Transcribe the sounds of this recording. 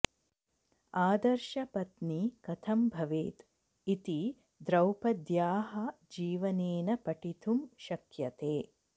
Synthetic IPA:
aːd̪ɐɾʃɐpɐt̪nikɐt̪ʰɐmbʱɐʋeːt̪ | it̪i | d̪ɾɐwpɐd̪jaːɦɐ | d͡ʒiːʋɐneːnɐpɐʈit̪umʃɐkjɐt̪eː

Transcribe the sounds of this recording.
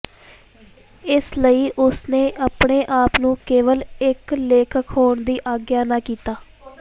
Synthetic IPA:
ɪsləiːʔʊsneːʔapɳeːʔaːpnũːkeːʋəlɪkleːkʰəkɦoːɳd̪iːʔaːɡjaːnaːkiːt̪aː

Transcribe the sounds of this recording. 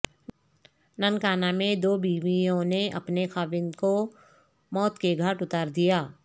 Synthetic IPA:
nənkaːnamẽd̪oːbiːʋiõneʔɐ̰pnexaːʋɪ̃nd̪ko | mɔːt̪keɡʱəʈʊt̪aːɾd̪ijaː

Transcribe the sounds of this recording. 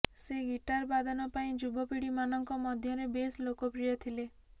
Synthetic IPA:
seɡiʈaɾbad̪ʱɔnɔpaĩd͡ʒubɔpiɽimanɔŋkɔmɔd̪ʱjɔɾebeslokɔpɾijɔt̪ʰile

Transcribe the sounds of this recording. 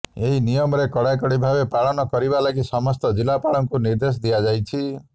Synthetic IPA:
eɦinijɔmɔɾekɔɽajkɔɽibʱabepaɭɔnɔkɔɾibalaɡisɔmɔst̪ɔd͡ʒilapaɭɔŋkuniɾd̪es̬ɔd̪ijad͡ʒajt͡ʃʰi

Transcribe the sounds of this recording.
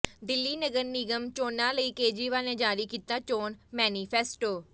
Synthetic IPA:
d̪ɪlːiːnəɡəɾniːɡəmt͡ʃoːnãːləiːkeːd͡ʒiːʋaːlnẽːd͡ʒaːɾiːkiːt̪aːt͡ʃoːnmɛːniːpʰɛːsʈoː

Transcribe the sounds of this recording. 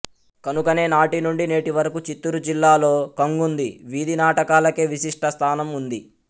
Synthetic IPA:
kɐnukɐne̞ːnaːʈinuɳɖineːʈiʋɐɾɐkut͡ʃit̪ːuɾud͡ʒilːaːlo̞ːkɐŋɡund̪iʋid̪inaːʈɐkaːlɐke̞ːʋiʃiʂʈʰɐst̪ʰaːnɐmund̪i

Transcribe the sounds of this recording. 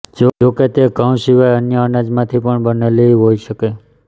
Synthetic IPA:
d͡ʒooket̪eɡʱãw̃ʃiʋajənjəənad͡ʒmãt̪ʰipəɳbəneleiɦoiʃəke

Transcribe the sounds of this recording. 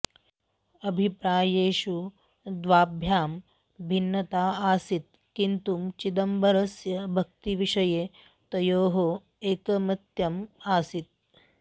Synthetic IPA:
ɐbʱipɾaːjeːʃu | d̪ʋaːbʱjaːm | bʱinːɐt̪aːaːsit̪ | kint̪umt͡ʃid̪ɐmbʱɐɾɐsjɐbʱɐk̚t̪iʋiʂɐjeː | t̪ɐjoːɦo | eːkɐmɐt̪jɐmaːsit̪̚

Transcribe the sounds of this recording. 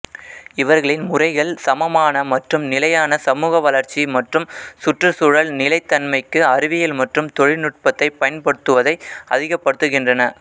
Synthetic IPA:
ɪʋɐɾɣɐɭɪnmʊrɐɪɣɐɭsɐmɐmaːnɐmɐʈrɯmnɪlɐjaːnɐsɐmuːɣɐʋɐlɐɾt͡ʃːimɐʈrɯmsʊʈrɯsʊɻɐɭnɪlɐɪt̪ːɐnmɐɪkːɯɐɾɯʋɪjɪlmɐʈrɯmt̪ɔɻɪnɯʈ̚pɐt̪ːɐɪpːɐjɐnpɐɽɯt̪ːɯʋɐðɐɪɐðɪɣɐpːɐɽɯt̪ːɯɣɪndrɐnɐ

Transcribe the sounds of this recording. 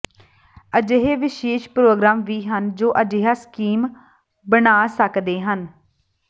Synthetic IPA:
əd͡ʒeːɦeːʋɪʃeːʃpɾoːɡɾaːmʋiːɦənd͡ʒoːʔəd͡ʒeːɦaːskiːm | bənaːsəkd̪eːɦən

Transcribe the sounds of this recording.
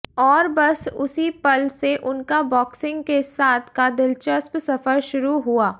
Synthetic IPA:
ɔːɾbɐsʊsipɐlseʔʊnkabɔːksɪ̃ŋɡkesaːt̪ʰkad̪ɪlt͡ʃəspsɐfəɾʃʊɾuɦuaː

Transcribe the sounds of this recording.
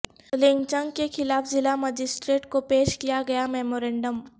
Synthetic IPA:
lɪ̃ŋɡt͡ʃə̃ŋɡkexɪlaːfzɪlamɐd͡ʒɪsʈɾeːʈkopeːʃkijaɡɐjamɛːmoːɾɛ̃ːɳɖəm

